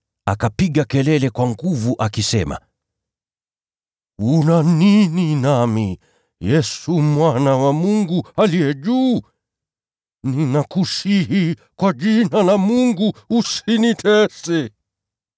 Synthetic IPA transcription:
a̰kapiɠakɛlɛlɛkwaŋɡuvuʔakisɛ̰ma̰ | unanininami | jɛsumwanawamuŋɡualijɛʄuː | ninakuʃiɦi | kwaʄinalamuŋɡuːsinitʰɛsɛ

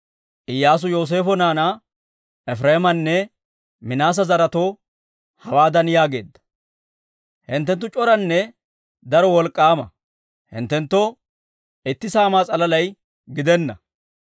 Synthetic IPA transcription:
ʔɪjːaːs̬ʊjo̞ːs̬e̞ːfɔnaːna | ʔɛfɾeːmɐnːɛ | mɪnaːs̬ɐzɐɾɐt̪o | hɐwaːd̪ɐnjaːɡe̞ːd̪ːɐ̥ | hɪnt̪ːɛnt̪̬ːʊt͡ʃʼɔɾɐnːɛ | d̪ɐɾɔwɔlkʼːaːmɐ | hɪ̰nt̪ːɛnt̪ːɔ | ʔɪt̪ːɪsaːmaːt͡sʼɐlɐlɐj | ɡɪd̪ɛnːɐ

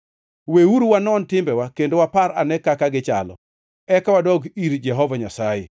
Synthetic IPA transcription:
wewuɾuwanɔntɪmbɛwakendowapaɾa̰nɛkakaɡɪt͡ʃa̰lɔ̰ | ɛkawadɔɡiɾd͡ʒɛɦɔvaɲasajɛ̰

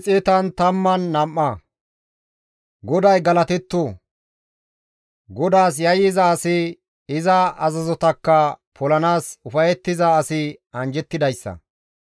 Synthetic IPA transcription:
t͡sʼeːt̪ɐnt̪ɐmːɐnːɐmːɐ | ɡɔd̪ɐjɡɐlɐt̪ɛt̪ːu | ɡɔd̪aːs̬jɐjɪzɐːsɪ | ɪzɐɐzɐzɔt̪ɐkːɐpʰɔlɐnaːsʊfɐjɛt̪ːɪzɐːsɪɐnd͡ʒɛt̪ːɪd̪ɐjsːɐ̰

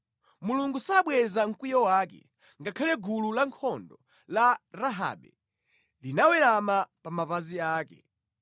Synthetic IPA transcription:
muluŋɡusaɓwɛzaŋ̩kijɔwaːk̬ɛ̰ | ŋɡakʰalɛɡululaŋkʰɔndɔ | laɾaɦa̰ɓɛ̰ | linawɛɾamapamapaziaːkɛ̰

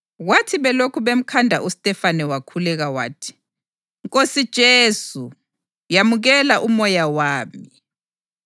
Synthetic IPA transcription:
ɣwatʰiβɛlokʰuβem̩kʰandʱa̰ʔustʼɛfanɛwakʰulɛɣawa̰ːtʰi̥ | ŋkʼosid̥ʒ̥ʱeːsu | jamuɣɛlaʔumɔjawaːmi

